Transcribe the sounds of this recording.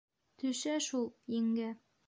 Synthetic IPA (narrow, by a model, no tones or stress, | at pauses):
t̪ɵʃæʃulˠjɘ̆ŋɡɘ